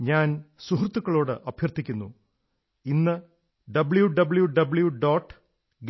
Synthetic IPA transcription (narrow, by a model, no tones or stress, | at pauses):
ɲaːnsuɦrut̪ːukːɐɭo̞ːɽɨʔɐbʱjɐrt̪ʰːikʲːunːṵ | inːɨ | ɖɐbɭjuɖɐbɭjuɖɐbɭjuɖoːʈː | ɡ